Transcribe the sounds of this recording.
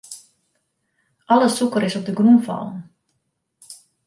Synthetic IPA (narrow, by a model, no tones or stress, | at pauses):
ʔɑləsukəɾɪsɔp̚dəɡrumfɑ̰lˠən